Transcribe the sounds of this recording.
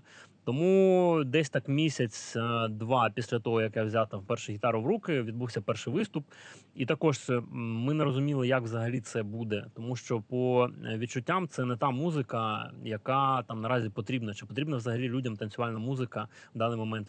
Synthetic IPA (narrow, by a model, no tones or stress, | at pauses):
t̪ɔmud̪ɛsʲt̪ɑkmʲisʲɐt͡sʲd̪ʋɑpʲisʲlʲɐt̪ɔɦɔjɐkjawzʲat̪ɑmpɛrʃɛɦʲɪt̪ɑɾʊʋɾukɪʋʲid̪̚buwsʲɐpɛrʃɪjʋɪst̪ʊp | it̪ɐkɔʒmɪnɛɾɔzʊmʲilˠɪjɐkʋzɐɦɐlʲit̪sɛbud̪ɛt̪ɔmuʃt͡ʃɔpɔʋʲit͡ʃʊtʲːamt̪sɛnɛt̪ɑmuzɪkɐjɐkɑt̪ɑmnɐɾɑzʲipɔt̪ɾʲibnɐt͡ʃɪpɔt̪ɾʲibnɐʋzɐɦɐlʲilʲudʲɐmt̪ɐnʲsʲʊʋalʲnɐmuzɪkɐwd̪ɑnːɪjmɔmɛnt̪